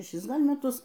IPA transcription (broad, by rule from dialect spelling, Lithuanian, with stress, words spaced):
ʃʲɛˈʃʲɪs ˈɡɐlʲ mʲɛˈtʊs